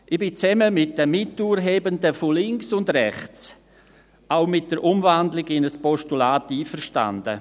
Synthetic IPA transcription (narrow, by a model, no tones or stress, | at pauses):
ʔɪb̥ɪt͡sɛməmɪt̚d̥əmɪtuːɾɦeːbəndəfolɪŋksʊndɾɛχt͡s | aʊmɪt̚d̥əɾʔʊmvandlɪɡɪnəspɔʃtulaːtiːfərʃta̰ndə̰